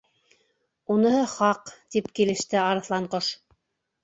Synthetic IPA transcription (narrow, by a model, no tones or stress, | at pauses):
unɤ̆hɤχɑqt̪ipkilɘ̆ʃt̪ɘɑɾɤ̆θlˠɑɴqoʃ